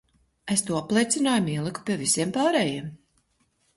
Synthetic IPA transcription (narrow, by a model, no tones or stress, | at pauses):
est̪uːaplˠɛjt̪sinaːjamiɛlˠɨku̥pʲiɛvisiɛmpaːɾɛːjiɛm